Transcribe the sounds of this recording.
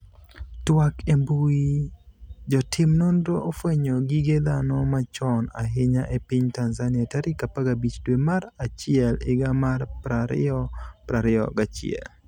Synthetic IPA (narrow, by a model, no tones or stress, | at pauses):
twakembui | d͡ʒɔtʰɪmnondoʔofweɲoɡiɡed̪anɔmat͡ʃɔna̰ɦɪɲaʔepiɲtanzanɪataɾɪkapaɡabit͡ʃdwemaɾat͡ʃɪɛlɪɡamarpɾaɾɪ̰ɔpɾaɾɪɔ̰ɡat͡ʃɪ̰ɛ̰l